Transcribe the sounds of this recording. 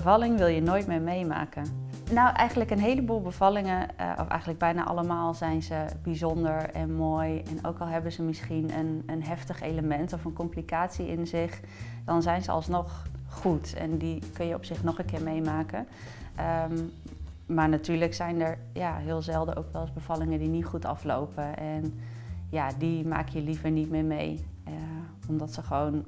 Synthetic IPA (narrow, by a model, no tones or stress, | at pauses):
əvɑlɪŋʋɪlˠjənoːjtmɪːɹmejma̰ːkən | nawʔɛjχəndləkənɦejləbuːlˠbəv̥ɑlɪŋən̰ʔɔ̰fɛ̰jxəndləɡ̚bɛjna̰ːʔɑ̰ləmaːlˠzɛjnzəbizɔndəɹɛ̰nmoːjɛnʔo̰wkɑlˠɦɛbənzəmɪsχinənənɦɛftəχejləmɛntɔfənkɔmplikaːtsiʔɪnzɪχ | d̥ɑnzɛjnzə̰ɑ̰lˠsnɔχχutɛ̰ndikɵnjəɔ̰psɪχnɔχənkɪːɹmejmaːkə | əm | maːɹnatyːɹləksɛjnəɹ | jaːɦɪːlˠzɛlˠdə̰ʔo̰wkʋɛlˠzbəvɑlɪŋədinitχutɑ̰flo̰wpəʔɛn | jaːdima̰ːkəjəlivəɹnitmɪːɹmḛj | ɔmdɑtsəχəʋown